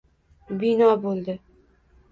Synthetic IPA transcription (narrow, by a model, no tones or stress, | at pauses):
bɪnɒbolˠd̪ɪ